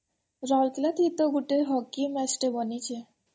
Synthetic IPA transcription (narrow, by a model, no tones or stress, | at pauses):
ɾɔlklat̪it̪oɡuʈeɾɦɔkːimɛsʈebonit͡ɕʰe